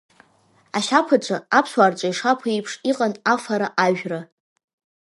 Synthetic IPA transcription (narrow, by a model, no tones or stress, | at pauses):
aʃapʰat͡ʃʷʼaapʰswart͡ʃʷʼaiʂapʰaijpʰʂiqʼanafaɾaʔaɥᶣra